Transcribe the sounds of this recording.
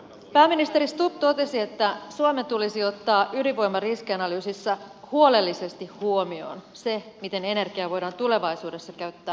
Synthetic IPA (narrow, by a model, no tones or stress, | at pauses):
pæːmːinist̪eɾist̪up̚t̪o̞t̪e̞sie̞t̪ːæsuome̞nt̪ulisio̞t̪ːɑːʔyliʋo̞jmɑriskiɑnɑlyːsisːæ | huo̞le̞lːise̞st̪ihhuo̞mio̞̰nse̞mit̪e̞ne̞ne̞rɡ̥iɑʋo̞jdɑːnt̪ule̞ʋɑjsuːde̞sːɑkæɥt̪ːæː